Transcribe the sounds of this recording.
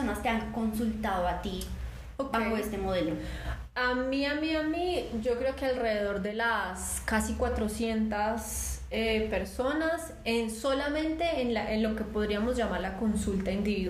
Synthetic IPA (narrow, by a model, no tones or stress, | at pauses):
onast̪eaŋko̞nsult̪aðoat̪i | okaxoest̪emo̞ðelo | amiamiamid͡ʒo̞kɾe̞okealre̞ðeð̞o̞ɾd̪e̞las | kasikwat̪ɾo̞sje̞nt̪as | epe̞ɾso̞nas | enso̞lamẽ̞nt̪e̞ːnlaʔenlo̞ke̞po̞ðɾiamo̞zd͡ʒamaɾlako̞nsult̪aind̪iβi